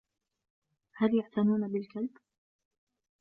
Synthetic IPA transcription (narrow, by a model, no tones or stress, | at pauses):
haljaʕt̪anuːnabɪlkalb